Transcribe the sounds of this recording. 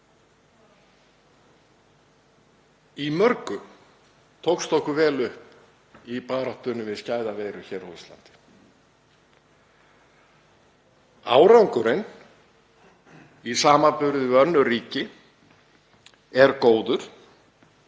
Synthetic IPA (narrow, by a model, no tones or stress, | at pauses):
imœɾkʏ | t̪ʰowkst̪ohkʏvɛːlʏhp̚ | ipaːɾaht̪ʏnːʏvɪðscaːjðaveːjɾʏçɛːɾawist̪la̰nt̪ɪ̥ | a̰ːwɾawŋkʏɾɪn | isaːmapʏɾðɪœnːʏriːcɪ | ɛɾkoːwðʏɾ̥